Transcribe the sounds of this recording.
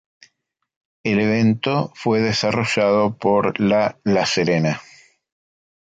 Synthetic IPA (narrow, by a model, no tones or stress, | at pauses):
eleβ̞e̞nt̪ofwe̞ðesaro̞ʃað̞opoɾlalaseɾena